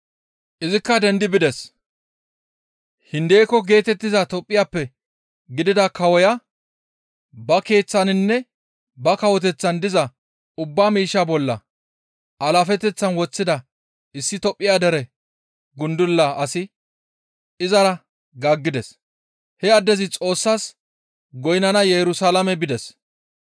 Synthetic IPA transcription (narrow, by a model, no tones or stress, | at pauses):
ʔɪzɪkːɐd̪ɛnd̪ɪbɪd̪ɛs | hɪnd̪eːkːɔɡe̞ːt̪ɛt̪ːɪzɐt̪ɔpʼːɪjaːpːɛ | ɡɪd̪ɪd̪ɐkɐwɔja | bɐke̞ːt͡sːɐnɪnːɛ | bɐkɐwɔt̪ɛt͡sːɐnd̪ɪzɐ | ʊbːaːmiːʃːabɔlːɐ̰ | ʔɐlaːfɛt̪ɛt͡sːɐnwɔt͡sːɪd̪ɐ | ɪsːɪt̪ɔpʼːɪjaːd̪ɛɾɛ | ɡʊnd̪ʊlːɐɐsɪ | ɪzɐɾɐ | ɡaːɡːɪd̪ɛs | hɛɐd̪ːɛzɪt͡sʼo̞ːsːaːs | ɡɔjnɐnɐjɛɾʊsaːlɐmɛbɪd̪ɛs